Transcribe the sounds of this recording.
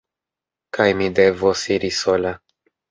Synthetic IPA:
kajmid̪evosiɾisola

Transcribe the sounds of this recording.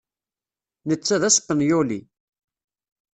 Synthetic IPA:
nət͡sːæðæsə̥pːənjulḭ

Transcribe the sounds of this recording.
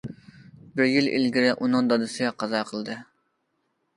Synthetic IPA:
bɪɾjilḭlɡʲiɾɪʔunɨŋd̪ɑd̪ɨsɪɡʲɛqʰɑzɑqʰəlˠd̪ɨ

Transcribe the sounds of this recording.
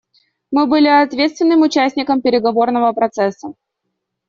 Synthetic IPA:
mɨbɨlʲɪɐt̪vʲet̪st̪vʲɪnːɨmʊt͡ɕæsʲtʲnʲɪkəmpʲɪɾʲɪɡɐvo̞rnəvəpɾɐt̪sɛsːə

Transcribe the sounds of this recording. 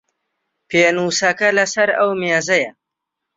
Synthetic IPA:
pʰenuːsɐkɐlɐsɐɾɐwmjeːzɐjɐ

